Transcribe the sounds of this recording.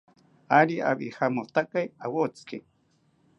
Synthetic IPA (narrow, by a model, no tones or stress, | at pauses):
aɾia̰βihamot̪akajawot͡sɨ̥ke